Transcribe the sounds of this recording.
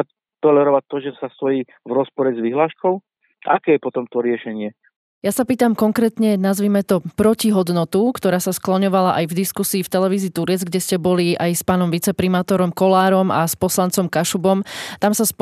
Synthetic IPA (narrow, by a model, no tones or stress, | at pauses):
a | t̪ɔlɛɾɔʋac̚t̪ːɔʒɛsast̪ɔjiː | vɾɔspɔɾɛzʋiɦlaːʃkɔʊ | akɛːjɛpɔt̪ɔmt̪ɔɾɪɛʃɛɲɪɛ | jasapiːt̪amkɔŋkɾɛːt̪ɲɛnazʋiːmɛt̪ɔpɾɔciɦɔd̪nɔt̪ukt̪ɔɾaːsasklɔɲɔʋalaʔajvd̪iskusiːft̪ɛlɛʋiːziːt̪uɾɛd͡zɡɟɛscɛbɔliʔajspaːnɔmʋit͡sɛpɾimaːt̪ɔɾɔmkɔlaːɾɔmaspɔslant͡sɔmkaʃubɔmt̪amsas